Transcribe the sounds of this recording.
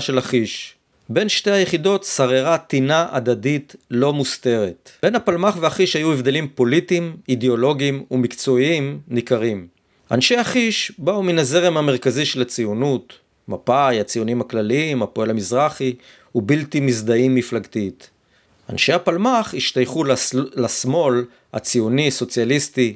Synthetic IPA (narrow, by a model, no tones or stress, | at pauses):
ʃelaχiʃ | be̞nʃte̞jhajeχido̞t̪saʁeʁatinaʔa̰d̪aditlo̞muste̞ʁet̪be̞napalmaχveaχiʃhajuevd̪e̞limpo̞litimideo̞lo̞ɡimumikt͡so̞iimnikaʁim | a̰nʃe̞jhaχiʃbauminaze̞ʁemhame̞ʁkaziʃelat͡sijunut | mapajat͡sijunimhaklaliimapoe̞lamizʁaχi | ubiltimizd̪aimːiflaɡt̪it | a̰nʃehapalmaχhiʃtajχulːasmo̞l | ha̰t͡siuniaso̞t͡sjalist̪i